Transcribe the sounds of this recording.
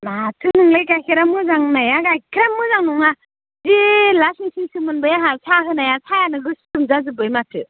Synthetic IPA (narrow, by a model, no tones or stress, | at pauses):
matʰɯnɯŋlajkajkʰiɾamːɯzaŋnajaɡajkʰɾamːɯzaŋnɔŋa | zilasiŋsiŋsɯmɯnbɯjaɦajsʰaɦɯnajasʰajanɯɡɯstɯmzazɯbɯjmatʰɯ